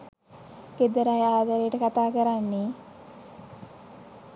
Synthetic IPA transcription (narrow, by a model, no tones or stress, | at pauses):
ked̪əɾajaːd̪aɾejəʈəkat̪aːkəɾanːe